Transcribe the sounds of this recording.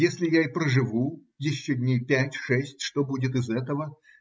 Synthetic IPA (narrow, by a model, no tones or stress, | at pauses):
jesʲlʲɪjaɪpɾəʐɨvu | jɪɕːodʲnʲejpʲætʲʂɛsʲtʲʂt̪o̞budʲɪt̪ɨzɛt̪əvə